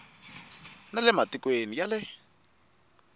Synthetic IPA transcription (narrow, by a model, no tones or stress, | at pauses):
nalɛmatikwenijalɛ